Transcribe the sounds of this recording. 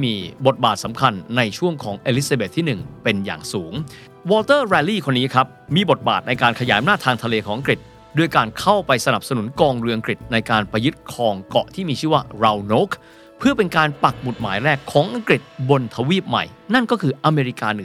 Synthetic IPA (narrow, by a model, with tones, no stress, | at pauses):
miː˧bo˨˩t̪̚baː˨˩t̪̚sa˩˦mkʰa˧nːa˧jt͡ɕʰu˥˩əŋkʰɔː˩˦ŋʔeː˧li˦˥saː˧be˨˩t̪ʰːiː˥˩nɯ˨˩ŋpe˧nja̰ː˨˩ŋsuː˩˦ŋ | wɔː˧lt̪ɤː˥˩ɾɛː˧liː˥˩kʰo˧nːiː˦˥kʰɾa˦˥p̚miː˧bo˨˩t̪̚baː˨˩t̪̚na˧jkaː˧nkʰa˧jaː˩˦jʔa˧naː˥˩t̪ʰːaː˧ŋt̪ʰa˧leː˧kʰɔː˩˦ŋʔa˧ŋkɾi˨˩t̪̚ | du˧˩əjkaː˧nkʰa˥˩wpa˧jsa˧na˨˩p̚sa˧nu˩˦nkɔː˧ŋɾɯ˧ʔa˧ŋkɾi˨˩t̪̚na˧jkaː˧npɾa˧jɯ˦˥t̪̚kʰɔː˧ŋkɔ̰˨˩ʔt̪ʰiː˥˩miː˧t͡ɕʰɯː˥˩waː˥˩ɾa˧wnoː˦˥k | pʰɯ˥˩əpe˧nkaː˧npa˨˩k̚mu˨˩t̪̚ma̰ː˩˦jɾɛː˥˩kʰːɔː˩˦ŋʔa˧ŋkɾi˨˩t̪̚bo˧nt̪ʰa˧wiː˥˩p̚ma̰˨˩j | na˥˩nkɔː˥˩kʰɯː˧ʔa˧meː˧ɾi˦˥kaː˧nɯ˨˩